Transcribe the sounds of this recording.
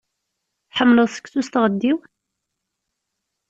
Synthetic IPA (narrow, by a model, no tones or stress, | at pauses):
ħəmːləðˤsə̥kθust̪ʁəd̪ːiw